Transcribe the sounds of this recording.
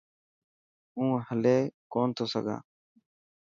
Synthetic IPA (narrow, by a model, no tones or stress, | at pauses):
ũːhəleːkoːnt̪ʰoːsəɡʱa̰ː